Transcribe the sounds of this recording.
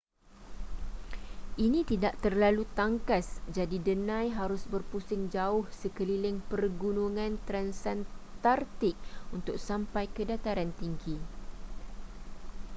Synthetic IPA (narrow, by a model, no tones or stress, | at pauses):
ʔinĩt̪idaʔt̪ərlalut̪aŋkasd͡ʒadidənãjɦaɾʊsbərpusɪŋd͡ʒaʊhsəkəlilɪŋpərɡunuŋãnt̪ɾansant̪art̪ɪk̚unt̪ʊk̚sampajkədat̪aɾant̪iŋɡi